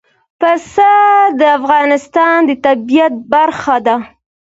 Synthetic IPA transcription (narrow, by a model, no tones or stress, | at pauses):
pəsad̪əafɣɑnɪst̪ɑnd̪ət̪abijat̪̚baɾxad̪a